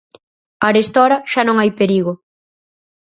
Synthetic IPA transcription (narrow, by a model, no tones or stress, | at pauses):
ɐɾest̪ɔɾɐʃanõŋajpeɾiɣo